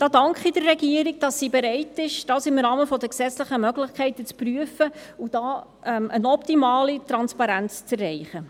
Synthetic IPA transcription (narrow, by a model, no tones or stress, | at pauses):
d̥ɑːdɑŋkχidərːɛɡiəɾɪɡ̚d̥ɑsːiːbɛɾɛɪtɪʃd̥ɑːsɪmɾɑːməfɔd̪əksɛt͡sləχəmœɡlɪχkχɛɪtət͡spryəfəud̥ɑː | ɛmənɔptimɑːlitɾɑnspɑɾænt͡st͡sɛrːɛɪχə